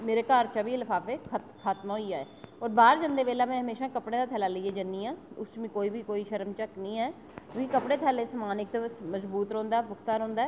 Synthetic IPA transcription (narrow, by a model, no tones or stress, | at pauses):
meːɾeːkaːɾt͡ʃaːbiːlfʰaːpeːkʰət̪xʰaːt̪mɦoiaːɛːɔːɾbaːɾd͡ʒənd̪eːʋeːlaːmɛ̃ːɦəmeːʃãːkəpɽẽːd̪aːt̪ʰɛːlaːləieːd͡ʒəniːãːʊst͡ʃmĩːkoːiːbiːkoːiːʃəɾəmt͡ʃəknĩːɛː | kũːkikəpɽeːt̪ʰɛːleːsəmaːnɪk̚t̪esməzbuːt̪ɾɔ̃ːnd̪aːɛpʊkʰt̪aːɾõːnd̪aː